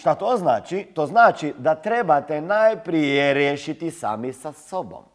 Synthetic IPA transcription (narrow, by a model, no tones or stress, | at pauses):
ʃt̪at̪oːznaːt͡ʃit̪oːznaːt͡ʃid̪at̪ɾebat̪enajpɾijeɾjeʃit̪isa̰ːmisasobo̰m